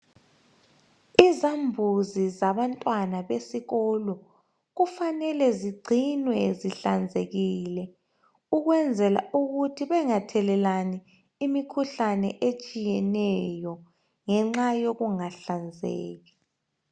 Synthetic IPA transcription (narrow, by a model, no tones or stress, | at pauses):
izambʱuzizaβantʼwanaβesiɣɔːlɔ | ɣufanɛlɛziɡ͡ǀʱinwɛziɬand͡zʱeɣilɛ | uɣwɛnd͡zʱɛla̰uɣutʰiβɛŋatʰɛlɛlani | imikʰuɬanɛʔet͡ʃʼijɛnɛjɔ | ŋɛŋ͡ǁajoɣuŋaɬand͡zʱḛːɣi